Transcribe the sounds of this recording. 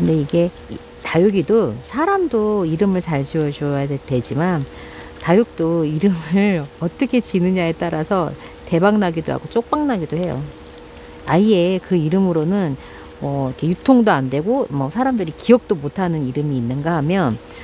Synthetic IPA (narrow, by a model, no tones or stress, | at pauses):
kɯnde̞iɡe̞ | tajuɡidosʰaɾamdoiɾɯmɯɭt͡ɕaɭd͡ʑiwʌd͡ʑʌjadede̞d͡ʑiman | tajuk̚t͈oiɾɯmɯʌt͈ʌkʰe̞t͡ɕinɯɲaet͈aɾasʰʌ | te̞baŋnaɡidoɦa̰ɡot͡ɕ͈ok̚p͈aŋnaɡidohe̞jo̰ | aie̞kɯiɾɯmɯɾonɯn | mʌikʰe̞jutʰoŋdoandwe̞ɡomʌsʰaɾamdɯɾikiʌk̚t͈omotʰanɯniɾɯmiːnːɯnɡahamjʌn